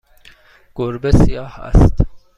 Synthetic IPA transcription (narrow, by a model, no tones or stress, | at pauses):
ɡ̥oɾbesijɑːhæ̰st̪